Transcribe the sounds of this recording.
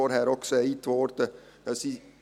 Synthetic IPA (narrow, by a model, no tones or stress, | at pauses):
oːɾhæːɾɔksɔɛiːt̪ʰʋoːɾt̪ə | jɑsi